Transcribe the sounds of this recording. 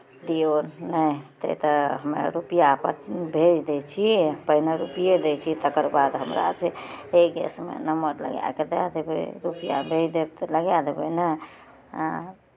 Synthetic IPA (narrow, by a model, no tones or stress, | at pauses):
d̪ionnət̪ə̰it̪əɦəmḛɾupijapəɾbʱed͡ʒd̪et͡ʃʰipəɦineɾupijed̪et͡ʃʰit̪əkəɾbad̪ɦəmɾa̰seeɡɛ̰smḛnəməɾlə̰ɡja̰ked̪a̰d̪ebḛɾupija̰bʱed͡ʒd̪ebt̪ləɡjad̪ebə̰nə